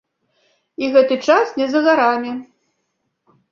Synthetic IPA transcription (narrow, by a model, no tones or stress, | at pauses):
iɣɛt̪ɨt͡ʂasnʲɛzɐɣaɾamʲi